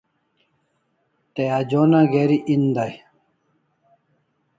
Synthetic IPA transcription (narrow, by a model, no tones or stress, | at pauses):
t̪ejad͡ʑoːnaɡeːɾiʔind̪aj